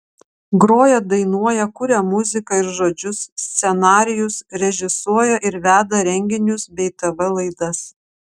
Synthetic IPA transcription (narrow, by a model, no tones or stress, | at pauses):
ɡɾoːjɛd̪ɐɪnuɔjɛkʊɾʲɛmʊzʲɪkɐɪɾʒoːd͡ʒʲʊsːʲt̪sʲɛnɑːɾʲɪjʊsɾʲɛʒʲɪsuɔjɛʔɪɾʋʲæːd̪ɐɾʲɛŋʲɡʲɪnʲʊsbʲɛɪt̪ɐʋɐlˠɐɪd̪ɐs